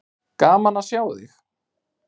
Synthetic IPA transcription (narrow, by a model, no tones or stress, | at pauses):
kaːmanasjaːwðɪ̰x